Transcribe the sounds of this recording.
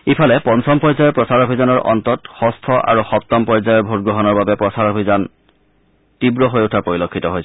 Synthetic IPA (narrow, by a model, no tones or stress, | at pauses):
ipʰalɛpɔnsʰɔmpɔɹzajɔpɹɔsaɹobʱizanɔɹʔɔ̰ntɔtxɔstʰɔʔa̰ɹuxɔp̚tɔmpɔɹzajɔɹbʱotɡɹɔɦɔnɔɹbabɛpɹɔsaɹobʱizan | tibɹɔɦojotʰapoɹilokʰːitɔɦojs